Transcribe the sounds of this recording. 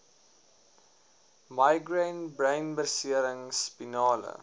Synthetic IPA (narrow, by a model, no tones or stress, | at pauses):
mɐjɡrənbrəjnbərsiəɾəŋspinɑːlə̰